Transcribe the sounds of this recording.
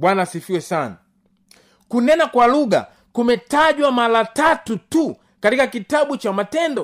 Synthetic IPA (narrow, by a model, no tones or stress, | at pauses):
ɓwanaːsifiwɛsana | kunɛnakwaluɠa̰ | kumɛtaʄwamalatatutu | katikakitaɓut͡ʃamatɛndɔ